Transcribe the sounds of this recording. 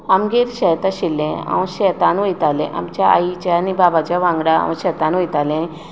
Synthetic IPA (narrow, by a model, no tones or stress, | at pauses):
amɡiɾɕɛt̪aɕilːẽa̰w̃ɕɛt̪ãnʋəjt̪alḛ̃ʔa̰mt͡ɕjaa̰it͡ɕaːnibabat͡ɕaʋãŋɡɽaa̰wə̃ɕɛt̪ãnʋəjt̪alẽ